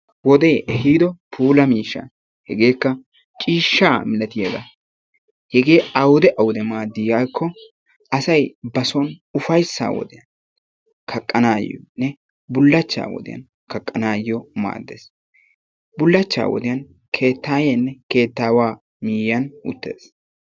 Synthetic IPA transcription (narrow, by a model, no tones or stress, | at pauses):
wɔd̪eːʔɛhiːd̪ɔpʰuːlɐmiːʃːa̰ | hɛɡeːkːɐ | t͡ʃʼiːʃːaːmɪlɐt̪ɪjɐd̪ɐ̰ | hɛɡe̞ːɐwʊd̪ɛʔɐwʊd̪ɛmaːd̪ːɪakʰːɔ | ɐsɐjbɐsɔnʊfɐjsːa̰ːwɔ̰d̪ɪjɐn | kʰɐkʼːɐnaːj̰ɔ̰nɛ | bʊlːɐt͡ʃːa̰ːwɔ̰d̪ɪ̰jɐ̰n | kɐkʼːɐnaːjɪjɔma̰ːd̪ːḛːs | bʊlːɐt͡ʃːa̰ːwɔ̰d̪ɪjɐn | kʰe̞ːt̪ːaːjeːnːɛke̞ːt̪ːaːwaː | miːjɐnʊ̰t̪ːe̞̰ːs